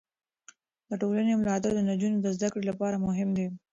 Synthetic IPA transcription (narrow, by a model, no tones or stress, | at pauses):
d̪̥əʈolanemʊlɑt̪̬aɾd̪ənad͡ʒunod̪əzd̪akɽelapɑɾamʊɦɪmd̪i